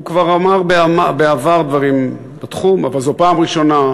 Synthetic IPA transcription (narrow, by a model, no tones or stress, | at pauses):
ukvaʁamaʁbeamabeavaʁd̪vaʁim | bat̪χuma̰valzopaːmʁiʃo̞na